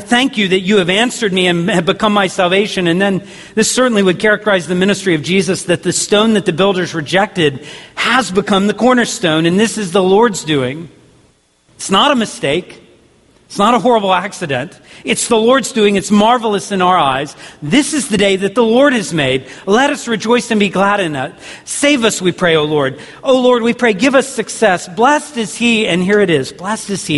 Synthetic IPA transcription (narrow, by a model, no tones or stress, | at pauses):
θæ̃ŋkjɨðɨt͡ʃɨːvæ̃nsə˞d̚miɨ̃nɨvbɨkʰʌ̃mːaɪsælˠveɪʃɨ̃nɨ̃nðɨ̃n | ðɪsɜ˞ʔn̩liwɨd̚kʰɛɹɨk̚tə˞aɪzðɨmɪ̃ñɨstɹ̥iʌvd͡ʒizɨsðɨt̪̚ðɨstõʊ̃nðɨt̪̚ðɨbɪlˠdə˞zɹɨd͡ʒɛk̚tɨd̚ɨzbɨkʰʌ̃mðɨkʰɔɹnə˞stõʊ̃nɨ̃nðɪsɨzðəlɔɹdzdʉɪ̃ŋ | ɪtsnəɾəmɨsteɪk | ɪtsnəɾəɦɔɹəbl̩ˠæksɨɾɨ̃ntɨtsðəlɔɹdzdʉɪ̃ŋɨtsmɑɹvl̩ˠəsɨ̃naʊə˞aɪz̥ðɪsɨzðɨdeɪðɨt̪̚ðəlɔɹɾ̚ɨzmeɪd̚lɛɾʌsɹɨd͡ʒɔɪsɨ̃nbiɡlæɾɨ̃nʌ | seɪvʌswipʰɹ̥eɪoʊlɔɹd | oʊlɔɹd̚wipʰɹ̥eɪɡɪvʌsɨksɛsb̥lɛstɨz̥hiɨ̃nɦiɹɨɾɪzblɛstɨz̥i